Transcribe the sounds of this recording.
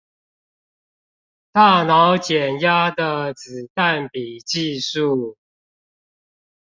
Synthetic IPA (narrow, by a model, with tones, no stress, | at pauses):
t̪a˥˨˩nɑ˨˦ʊt͡ɕjɛ˨˩nja˦d̪ə˨t͡sɹ̩˨˩t̪a˥˨npi˨˩t͡ɕi˥˧ʂu˥˨